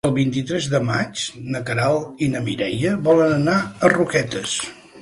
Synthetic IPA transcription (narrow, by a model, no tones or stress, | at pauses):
əlˠβint̪it̪ɾɛzðəmat͡ʃnəkəɾalˠinəmiɾɛjəβɔlənənaərukɛt̪əs